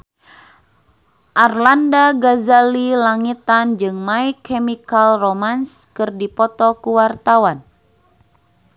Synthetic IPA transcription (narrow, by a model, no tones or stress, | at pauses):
ʔarlandaɡazalilaŋit̪and͡ʒɨŋmaikemikalromanskɨrdipɔt̪ɔkuwart̪awan